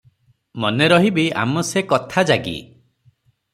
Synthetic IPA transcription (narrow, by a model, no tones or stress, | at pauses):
mɔneɾɔɦibia̰mɔsekɔt̪ʰad͡ʒaɡḭ